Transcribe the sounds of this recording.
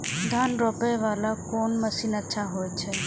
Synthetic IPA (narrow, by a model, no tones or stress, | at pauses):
d̪ʱanɾopɛʋalakoːnməsiːnətːʃʰaɦojt͡ʃʰɛ